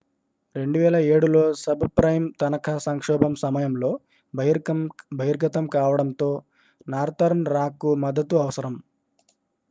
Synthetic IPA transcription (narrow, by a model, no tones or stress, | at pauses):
ɾe̞ɳɖuʋɛːlɐeːɽulo̞ːsɐbpɾɐjmt̪ɐnɐkʰɐsɐŋkʂɔːbʱɐmsɐmɐjɐmlo̞ː | bʱ | bʱɐɦiɾɡɐt̪ɐmkaːʋɐɽɐnt̪o̞ː | naːɾt̪ɐɾnɾaːkumɐd̪ːɐt̪uɐʋɐsɐɾɐm